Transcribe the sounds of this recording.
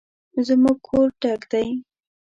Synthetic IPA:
zəmuɡ̚kʰoɾʈakd̪aj

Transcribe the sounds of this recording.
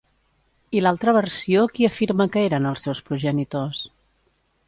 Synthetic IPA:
ilalˠt̪ɾəβərsiokiəfiɾməkəeɾənəlˠsɛwspɾuʒənit̪os

